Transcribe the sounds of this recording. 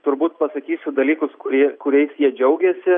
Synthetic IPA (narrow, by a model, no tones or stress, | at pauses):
t̪ʊɾbuːt̪pɐsɐkʲiːsʲʊd̪ɐlʲiːkʊskʊɾʲiɛkʊɾʲɛɪsjiɛd͡ʒʲɛʊɡʲɛsʲɪ